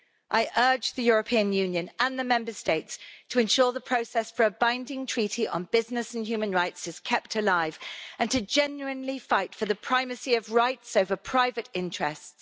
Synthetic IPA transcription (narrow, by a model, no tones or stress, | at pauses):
ʔaɪʔɜːd͡ʒðəjʊɹəpʰĩə̃njʉ̃njɨ̃nə̃nðəmɛ̃mbəsteɪtstʰəɨ̃nʃɔːðəpʰɹ̥əʊsɛsfə˞əbãɪ̃ndɪ̃ŋtʰɹ̥iˑtiʔə̰̃nbɪznɪsə̃n̩jʉːmə̃nɹaɪtsɨz̥kʰɛp̚tʰəlaɪv̥ə̃ntʰɨd͡ʒɛ̃njʉɨ̃nlifaɪtfəðəpʰɹ̥aɪmɨsiəvɹaɪtsoʊvəpʰɹ̥aɪvɨtɪ̃nt͡ʃɹ̥ɛsts